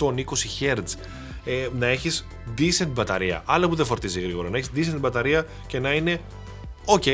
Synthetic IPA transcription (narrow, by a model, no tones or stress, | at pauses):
t̪onikosiçeɾd̪z | nɐe̞çis | d̪isent̪̚bɐt̪ɐɾiɐ̰ʔɐlɐpuðefo̞ɾt̪iziɣɾiɣo̞ɾɐnɐeçizd̪isent̪bɐt̪ɐɾiɐ | ce̞nɐine̞ | oce